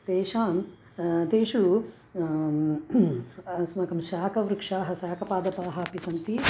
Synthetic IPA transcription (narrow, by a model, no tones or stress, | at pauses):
t̪eːʃaːm | t̪eːʂu | smɐkɐmʃaːkɐʋɾukʂaːɦɐsaːkɐpaːd̪ɐpaːɦɐɐpisɐnt̪i